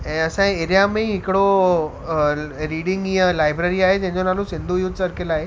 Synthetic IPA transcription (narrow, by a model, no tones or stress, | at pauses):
ɛ̃ːɐsãẽeːɾijamẽɦɪkɪɽo | ɾiːɖɪ̃ŋɡĩːə̃laːɪbɾeɾiaːɦed͡ʑɐ̃ɦɪ̃ɲd͡ʑonaːlũsɪ̃nd̪ʱujʊd̪ʱsɐɾkɪlaːɦe